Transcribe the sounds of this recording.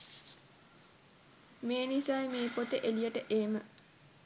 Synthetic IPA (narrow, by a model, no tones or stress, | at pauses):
meːnisaːjmeːpot̪əʔelijəʈəʔeːmə